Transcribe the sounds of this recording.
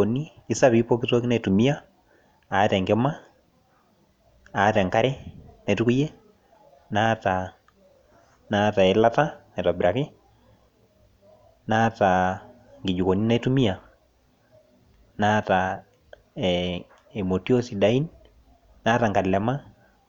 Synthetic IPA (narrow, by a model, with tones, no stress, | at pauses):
o˨ni˦ɪ˨˦sa˦βi˦po˦kito˦ki˦na˦˨tu˨mi˦a˦ | a˨˦tɛ˨ŋɡe˦ma˦ | a˨˦tɛ˨ŋka˦ɾɛ˦na˨tu˦ku˦je˦ | na˦ta˨ | na˦ta˨e˨la˦ta˦na˨ta˨bɪɾa˨kɪ˦ | na˦ta˨ | ŋɡi˨d͡ʒu˨ko˨ni˦na˦tu˦mi˦a˨ | na˦ta˨ | e˨mo˨ti˦o˦si˨da˦i˦n | naː˦ta˨ŋɡa˨lɛ˨ma˦